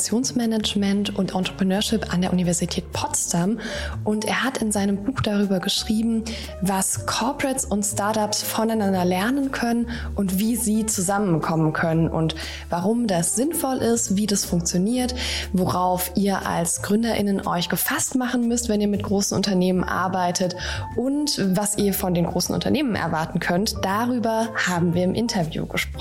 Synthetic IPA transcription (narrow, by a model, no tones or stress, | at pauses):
t͡sjoːnsmɛnad͡ʒmɛntʔʊntʔɔntʁ̥əpʁ̥ənøːɐʃɪpʔa̰ndeɐʔunivɛɐzitʰɛːtpʰɔstamʔʊntʔeːɐɦatɪnzaɪnəmbuːxd̥aʁ̞yːbɐɡəʃʁ̥iːbm̩ | vaskʰɔɐpʁɛtsʊntstaɐtapsfɔnaɪnandɐlɛɐnənkʰœnən | ʔʊntv̥iːziːt͡suzamənkʰɔmənkʰœnənʔʊ̰nt | vaʁʊmdasz̥ɪnfɔlʔɪstv̥iːdasfʊŋkt͡sjoniːɐtvoʁaʊfʔiːɐʔa̰lsɡ̥ʁʏndɐʔɪ̰nənʔɔ̰ʏçɡ̥əfastmaχn̩mʏstv̥ɛniːɐmɪt̚ɡ̥ʁoːsn̩ʔʊ̰ntɐneːmənʔa̰ɐbaɪtʰətʔʊntvasiːɐfɔndeːnɡʁoːsn̩ʊ̰ntɐ̰neːmənʔɛ̰ɐvaɐtn̩kʰœntd̥aʁyːbɐhaːbm̩viːɐɪmʔɪntʰɐvjṵːɡəʃp̚ʁ̥ɔ